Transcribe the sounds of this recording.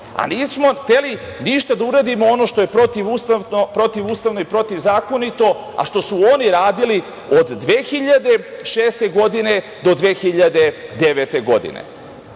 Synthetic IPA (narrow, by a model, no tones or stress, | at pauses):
a̰niːsmo̞xt̪e̞liniʃt̪ad̪auɾad̪imoonoʃt̪o̞je̞pɾo̞t̪iʋust̪aopɾo̞t̪iʋuːst̪aʋno̞ipɾo̞t̪iʋzaːko̞nit̪o̞ | a̰ʃt̪o̞suoniɾaːd̪ili | od̪ːʋeːxiʎad̪e̞ʃeːst̪e̞ɡo̞d̪ine | d̪o̞d̪ʋeːxiʎad̪e̞d̪e̞ʋet̪e̞ɡo̞d̪ḭnḛ